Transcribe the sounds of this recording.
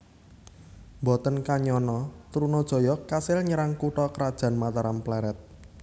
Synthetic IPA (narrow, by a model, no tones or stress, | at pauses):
mbɔt̪ənkaɲɔnɔt̪ɾunɔd̥ʒ̥ɔ̤jɔkasɪlɲəɾaŋkuʈɔkəɾad̥ʒ̥ä̤nmat̪aɾamplɛɾɛt̪̚